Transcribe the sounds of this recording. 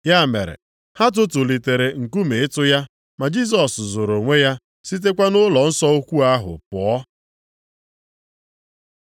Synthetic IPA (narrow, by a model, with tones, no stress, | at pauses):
ja˦˨mḛ˨ɾḛ˨ | ha˦t̬ʊ˦tʊ˨li˨te˨ɾe˨ŋ̩˨ku˦me˨ɪ˦tʊ˦ja˦ | ma˨d͡ʒi˦s̬ɔ˨szo˨ɾo˨ŋʷe˦ja˦ | si˦t̬e˦kʷa˦nʊ˦lɔ˨n̩˦sɔ˦o˦kʷu˦a˦ɦʊ̰˨pʊ˨ɔ˦